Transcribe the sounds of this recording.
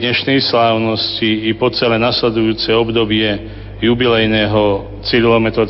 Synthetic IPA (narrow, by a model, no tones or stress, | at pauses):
ɲɛʃnɛjslaːʊnɔsciːpɔt͡sɛlɛnaslɛd̪ujuːt͡sɛɔbd̪ɔbɪɛ | jubilɛjnɛːɦɔ | t͡siɾlɔmɛt̪ɾɔ